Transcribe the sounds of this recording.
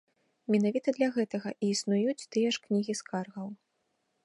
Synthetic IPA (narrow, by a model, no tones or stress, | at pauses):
mʲɛnavʲit̪ɐd̪lʲɐɣɛt̪ɐɣɐʔiːsnujut͡sʲt̪ɨjɛʂknʲiɣʲiskarɣɐw